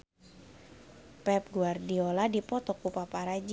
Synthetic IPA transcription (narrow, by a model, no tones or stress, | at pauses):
pɛp̚ɡuardioladipɔt̪ɔkupapaɾad͡ʒ